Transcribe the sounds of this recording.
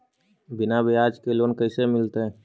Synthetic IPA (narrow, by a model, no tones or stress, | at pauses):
bɪnabʱeaːd͡ʒkeloːnkəɪsemɪlt̪eɦɛ̃ː